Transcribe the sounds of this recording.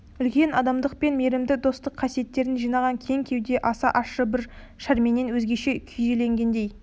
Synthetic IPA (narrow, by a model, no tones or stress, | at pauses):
ʏlkʲe̞nɑd̪ɑmd̪əq̚pe̞nme̞ɾɪmd̪ɪd̪o̞st̪əqʰːɑsije̞t̪ːe̞ɾɪnʒijnɑʁɑŋkʲʰe̞ŋkʲʰe̞wd̪e̞ʔɑsɑʔɑʃəbɪɾ | ʃæɾme̞nenwɵzɡʲe̞ʃe̞kʲʰyjʒele̞ŋɡʲe̞nd̪e̞j